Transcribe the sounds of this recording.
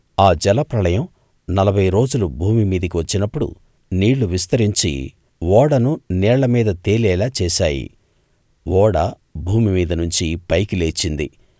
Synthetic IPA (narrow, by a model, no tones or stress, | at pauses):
aːd͡ʒɛlɐpɾɐlɐjɐm | nɐlɐbʱɐjɾo̞ːd͡ʒulubʱuːmimiːd̪ɐk̬iʋɐt͡ʃːinɐpːuɽṵ | niːɭːuʋis̬t̪ɐɾiɲt͡ʃḭ | ʋɔːɽɐnunɛːɐlɐmiːd̪ɐt̪eːlɛːlaːt͡ʃɛːʃaːjḭ | ʋɔːɽɐ | bʱuːmimiːd̪ɐnuɲt͡ʃipɐjkileːt͡ʃːind̪ḭ